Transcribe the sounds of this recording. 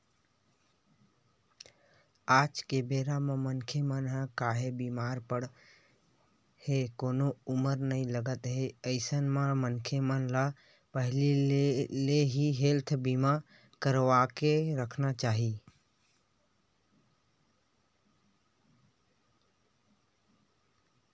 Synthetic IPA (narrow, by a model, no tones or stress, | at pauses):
aːd͡ʒkebeːɾamẽmənkʰemənɦəkaɦebimaːɾpəɽ | hekoːnouməɾnəĩləɡət̪ɦeəɪsənmẽmənkʰemənla | pəɦlieleɦiɦelt̪ʰbima | kəɾʋakeɾəkʰnat͡ʃaːɦi